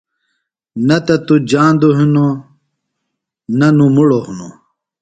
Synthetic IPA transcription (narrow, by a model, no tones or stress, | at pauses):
nɐt̪ɐt̪ud͡ʑaːnd̪uɦino | nɐnũmuɽohuno̰